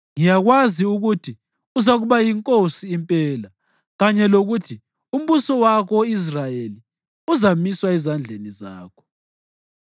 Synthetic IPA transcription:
ŋijaɣwaziuɣutʰi | uzaɣuβajiŋkʼosiːmpʼɛːla | ɣaɲɛloɣutʰi | um̩βusɔwakʰɔis̬rajeli | uzamiswaɛzand͡ɮʱeniza̰ːkʰɔ̥

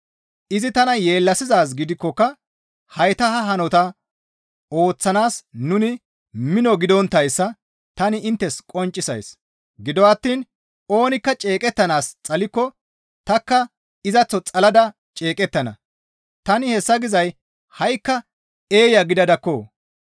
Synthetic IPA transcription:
ʔɪzɪt̪ɐnɐje̞ːlːɐsɪzaːs̬ɡɪd̪ɪkːɔkːɐ | hɐjt̪ɐhɐɦɐnɔt̪ɐ | o̞ːt͡sːɐnaːsnʊnɪ | mɪnɔɡɪd̪ɔnt̪ːɐjsːɐ | t̪ɐnɪɪnt̪ːɛskʼɔnt͡ʃʼːɪsɐ̰js | ɡɪd̪ɔwɐt̪ːiːn | o̞ːnɪkːɐt͡ʃʼe̞ːkʼɛt̪ːɐnaːst͡sʼɐlɪkːɔ | t̪ɐkːɐ | ɪzɐt͡sːɔt͡sʼɐlɐd̪ɐ | t͡ʃʼe̞ːkʼɛt̪ːɐnɐ̰ | t̪ɐnɪhɛsːɐɡɪzɐj | hɐjkːɐ | e̞ːjɐɡɪd̪ɐd̪ɐkːo̰ː

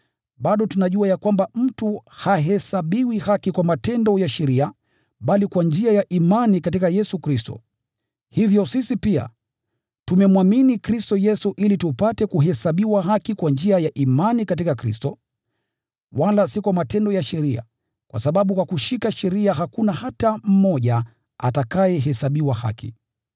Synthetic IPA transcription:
ɓaɗɔtunaʄuajakwambam̩tuhaɦɛsaɓiwihakikwamatɛndɔjaʃɛɾia | ɓalikwand͡ʒiajaʔimanikatikajɛsukɾistɔ̰ | hivjɔsisipia̰ | tumɛmwaminikɾistɔjɛsuʔilitupatɛkuɦɛsaɓiwaɦakikwand͡ʒiajaʔimanikat̬ikakɾḭstɔ | walasikwamatɛndɔjaʃɛɾia̰ | kwa̰saɓaɓukwakuʃikaʃɛɾiaɦakunahatam̩mɔʄa | a̰takajɛɦɛsaɓiwaha̰kḭ

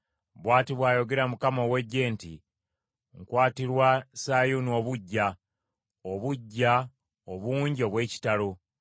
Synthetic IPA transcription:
βwaːtiβwaːjo̞ɡe̞ɾamukamo̞ːwe̞ɟːe̞ːntḭ | ŋkwaːtiɾwasajuno̞ːβuɟːa | oβuɟːa | oβuːɲɟio̞βwe̞ːci̥talo

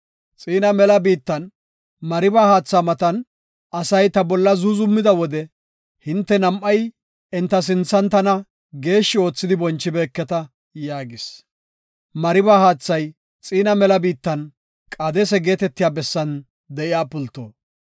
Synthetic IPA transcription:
t͡sʼiːnɐmɛlɐbiːt̪ːɐn | mɐɾɪbaːhaːt͡sːaːmɐt̪ɐn | ɐsɐjt̪ɐbɔlːɐzuzʊmːɪd̪ɐwɔd̪ɛ | hɪnt̪ːɛnɐmʔːɐj | ɛnt̪ːɐs̬ɪnt͡sːɐnt̪ɐnɐ | ɡe̞ːʃːɪo̞ːt͡sːɪd̪ɪbɔnt͡ʃːɪbeːkːɛt̪ɐ | jaːɡɪs | mɐɾɪbaːhaːt͡sːɐj | t͡sʼiːnɐmɛlɐbiːt̪ːɐn | kʼɐd̪ɛsɛɡe̞ːt̪ɛt̪ːɪjaːbɛsːɐn | d̪ɛʔɪjaːpʊlt̪ːo̰ː

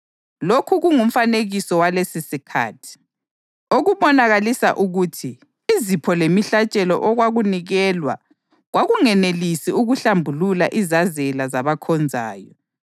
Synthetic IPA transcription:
lokʰuɣuŋum̩faneɣisɔwalesisikʰa̰ːtʰi̥ | oɣuβɔnaɣalisa̰ʔuɣutʰi | izipʰɔlemiɬat͡ʃʼɛlɔ̰ʔɔɣwaɣuniɣɛːlwa̰ | ɣwaɣuŋɛnelisiuɣuɬambʱulula̰ʔizazɛlazaβakʰɔnd͡zʱaːjɔ

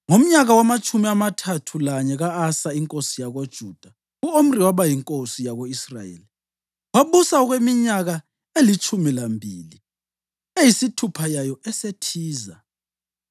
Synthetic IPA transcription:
ŋom̩ɲaɣawamat͡ʃʼʰumiamatʰatʰulaɲɛɣaːsaiŋkʼosijaɣod̥ʒ̥ʱuːd̥ʱa | uom̩riwaβajiŋkʼosijaɣoisra̰jḛːli | waɓusaɔɣwemiɲaɣa | elit͡ʃʼʰumilambʱiːli | ejisitʰupʰajajɔɛsetʰiːza

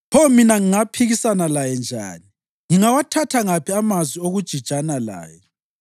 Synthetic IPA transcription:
pʰɔminaŋiŋapʰiɣisanalajɛnd͡ʒʱa̰ːni | ŋiŋawatʰatʰaŋapʰiamazwioɣud̥ʒ̥ʱid̥ʒ̥ʼʱanala̰ːjɛ

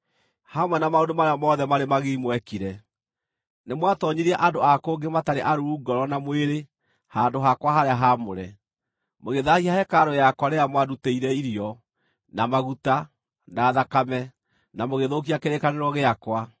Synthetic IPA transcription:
hamwɛnamaondomaɾeamɔðɛmaɾemaɣemwɛkiɾɛ | nemwatɔɲiɾiɛʔandoakoːŋɡemataɾeʔaɾuuɡɔɾɔnamweɾe | haːndoɦakwaɦaɾeaɦamoɾɛ | moɣeðahihahɛkaɾojakwaɾejamwaduteiɾɛiɾiɔ | namaɣuta | naːðakamɛ | namoɣeðok̬iakeɾekaneɾɔɣeakwa

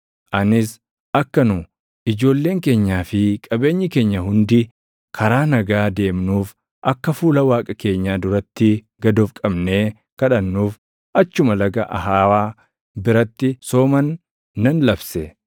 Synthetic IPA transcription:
ʔɐnɪs | ʔɐkːɐnʊ | ɪd͡ʒo̞ːlːe̞ːŋke̞ːɲːaːfɪkʼɐbe̞ːɲːɪke̞ːɲːɐɦʊnd̪ɪ | kʰɐɾaːnɐɡaːd̪e̞ːmnuːf | ʔɐkːɐfuːlɐwaːkʼɐke̞ːɲːaːd̪ʊɾɐt̪ːɪ | ɡɐd̪oːfkʼɐbne̞ː | kɐᶑɐnːuːf | ʔɐt͡ʃːʊmɐlɐɡɐʔɐ̰ɦaːwaː | bɪɾɐt̪ːɪso̞ːmɐnː | ɐnlɐbsɛ

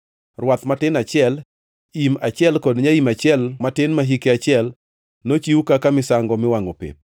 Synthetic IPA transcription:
rwat̪matɪnat͡ʃɪɛl | imat͡ʃjɛlkɔdɲaimat͡ʃjɛlmatɪnmaɦikeat͡ʃɪɛl | not͡ʃiwukakamɪsaŋɡɔmɪwaŋopḛp̚

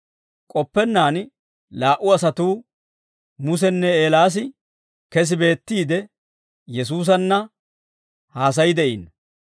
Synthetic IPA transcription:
kʼɔpːɛnːaːn | laːʔʊɐsɐt̪uː | mʊs̬ɛnːɛeːlaːs̬ɪ | kɛs̬ɪbe̞ːt̪ːiːd̪ɛ | jɛs̬uːs̬ɐnːɐ | haːs̬ɐjɪd̪ɛʔiːn

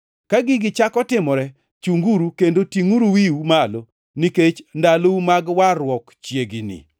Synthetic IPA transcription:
kaɡɪɡɪt͡ʃakɔtɪmɔɾɛ | t͡ʃuŋɡuɾukendotiŋuɾuwiumalo | niket͡ʃndaloumaɡwarwɔkt͡ʃjeɡinɪ̰

